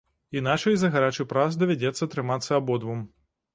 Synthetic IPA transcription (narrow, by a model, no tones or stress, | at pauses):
inat͡ʂɐjzɐɣaɾat͡ʂɨpɾasd̪ɐvʲad͡zʲɛt̪sːɐt̪ɾɨmat̪sːɐːbɔd̪vum